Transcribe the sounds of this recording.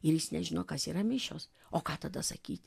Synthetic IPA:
ɪɾjɪsnʲɛʒʲɪnoːkɐsiːɾɐmʲɪʃʲo̰ːs | oːkɑːt̪ɐd̪ɐsɐ̰kʲiːt̪ʲ

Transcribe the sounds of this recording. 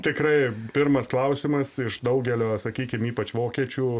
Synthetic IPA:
t̪ʲɪkɾɐɪpʲɪrmɐsklˠɐʊsʲɪmɐsɪʃd̪ɐʊɡʲɛlʲoːsɐkʲiːkʲɪmiːpɐt͡ʃʋoːkʲiɛt͡ʃʲuː

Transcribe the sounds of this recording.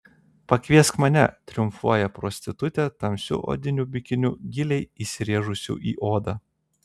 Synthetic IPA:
pɐkʲʋʲiɛskmɐnʲɛt̪ʲɾʲʊmfuɔjɛpɾɔsʲt̪ʲɪt̪ʊt̪ʲɛt̪ɐmʲsʲʊ̰ʔo̰ːd̪ʲɪnʲubʲɪkʲɪnʲʊɡʲɪlʲɛɪisʲɪɾʲiɛʒʊsʲṵːˑʔḭːʔoːd̪ɐ

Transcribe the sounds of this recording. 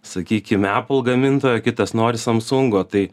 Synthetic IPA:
sɐkʲiːkʲɪmʲæːpʊl̩ˠɡɐmʲɪnt̪oːjoːkʲɪt̪ɐsnoːɾʲɪsɐmsʊŋɡoːt̪ɐɪ

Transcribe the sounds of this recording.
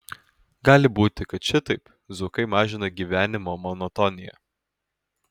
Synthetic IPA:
ɡɑːlʲɪbuːt̪ʲɪkɐt̪ʃʲɪt̪ɐɪp | zʊkɐɪmɑːʒʲɪnɐɡʲiʋʲæːnʲɪmoːmɔnɔt̪ɔnʲɪjɛ̰

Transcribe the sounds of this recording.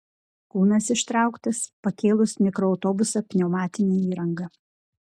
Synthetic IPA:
kuːnɐsɪʃt̪ɾɑˑʊkt̪ɐspɐkʲeːlˠʊsmʲɪkɾɔːʊt̪ɔːbʊsɐpʲnʲɛʊmɑːt̪ʲɪnʲeːiːɾɐŋɡɐ

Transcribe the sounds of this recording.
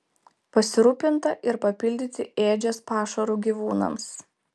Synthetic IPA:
pɐsʲɪɾuːpʲɪnt̪ɐʔɪɾpɐpʲɪlʲd̪ʲɪt̪ʲɪeːd͡ʒʲɛspɑːʃɐɾuːˑɡʲiʋuːnɐ̰ms

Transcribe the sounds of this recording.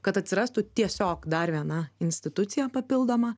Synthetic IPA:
kɐt̪ɐt̪ʲsʲɪɾɑːst̪ʊt̪ʲiɛsʲoːkd̪ɐɾʋʲiɛnɐɪnʲsʲt̪ʲɪt̪ʊt̪sʲɪjɛpɐpʲɪlˠd̪oːmɐ

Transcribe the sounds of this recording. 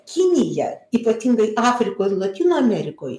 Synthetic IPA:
kʲɪnʲɪjɛ̰iːpɐt̪ʲɪŋɡɐɪɑːfʲɾʲɪkoːlˠɐt̪ʲiːnoːɐmʲɛɾʲɪkoːj

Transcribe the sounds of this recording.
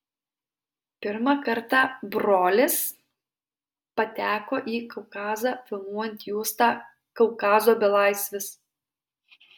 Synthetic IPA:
pʲɪɾmɑkɐɾt̪ɑːˑbɾoːlʲɪs | pɐt̪ʲæːkoːʔiːkɐʊkɑːzɑːfʲɐlˠmuɔjɛnʲt̪ʲjuːst̪ɑ | kɐʊkɑːzoːbʲɪlˠɐˑɪsʲʋʲɪs

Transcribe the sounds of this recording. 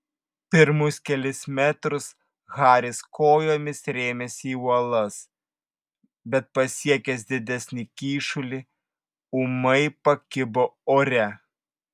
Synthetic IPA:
pʲɪɾmʊskʲɛlʲɪsmʲæt̪ɾʊs | ɣɑːɾʲɪskoːjoːmʲɪsɾʲeːmʲɛsʲiːuɔlˠɐs | bʲɛt̪̚pɐsʲiɛkʲɛsd̪ʲɪd̪ʲɛsʲnʲɪkʲiːʃʊlʲɪ | ʊmɐɪpɐkʲɪboːoːɾʲɛ

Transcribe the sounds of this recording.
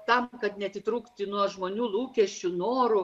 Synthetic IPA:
t̪ɐmkɐt̪nʲɛɐt̪ʲɪt̪ɾuːkt̪ʲɪnuɔʒmoːnʲuːlˠuːkʲɛʃʲt͡ʃʲʊnoːɾʊ

